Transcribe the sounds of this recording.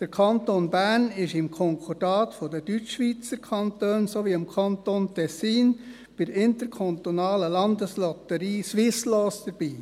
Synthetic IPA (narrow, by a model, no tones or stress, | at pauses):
d̥əɾkʰɑntonbænɪʃɪmkʰɔŋkʰod̥ɑːtfodəd̥yt͡ʃʃʋiːt͡səɾkʰɑntøːnsoʋiɪmkʰɑnt̪ontʰɛsiːn | b̥ɪdɪntəɾkʰɔnt̪onɑːləlɑnd̪əslɔt̪əɾiːsʋɪsloːsd̥əɾb̥iː